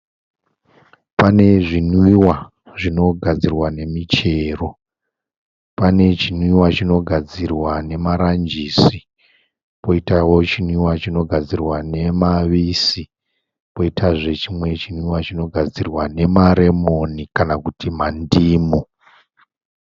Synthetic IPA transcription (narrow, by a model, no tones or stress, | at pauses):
pane̞ʐinwiwa | ʐino̞ɡʱad͡zirwane̞mit͡ʃe̞ːro̞ | pane̞t͡ʃinwiwat͡ʃino̞ɡʱad͡zirwane̞maɾand͡ʒiːsi | po̞itawo̞t͡ʃinwiwat͡ʃino̞ɡʱad͡zirwane̞maʋisi | po̞itʰaʐe̞t͡ʃimwe̞t͡ʃinwiwat͡ʃino̞ɡʱad͡zirwane̞maɾe̞mo̞nikanakutimandiːmu